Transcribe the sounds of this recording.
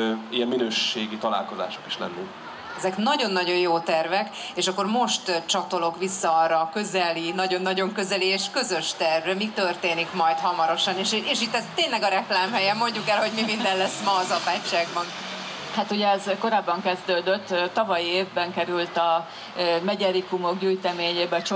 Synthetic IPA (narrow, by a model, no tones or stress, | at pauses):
ijɛmminøːʃeːɡit̪ɒla̰ːlko̞za̰ːʃoki̥ʃlɛ̰nːi | ɛzɛknɒɟo̞nːɒɟo̞joːt̪ɛrvɛk | eːʃɒkːo̞rmo̞ʃt̪t͡ʃɒt̪o̞lo̞kʋisːɒɒrɒkø̞zɛlinɒɟo̞nːɒɟo̞ŋkø̞zɛlieːʃkø̞zø̞ʃt̪ɛrvrɛmikt̪ørt̪eːnikmɒjt̪hɒmɒɾo̞ʃɒneʃeːʃit̪ːɛst̪ːeːɲnlɛɡɒɾɛklaːmɦɛjɛmːo̞ɲɟukɛlɦo̞ɟmimind̪ɛnlɛsːmɒːzɒpaːt͡ʃːaːɡbɒn | hat̪uɟɛɛzko̞ɾaːbːɒŋkɛzd̪øːd̪øt̪ːɒvɒjieːvbɛŋkɛɾylt̪ɒ | mɛɟɛɾikumo̞kɟyːjt̪ɛmeːɲeːbɛt͡ʃ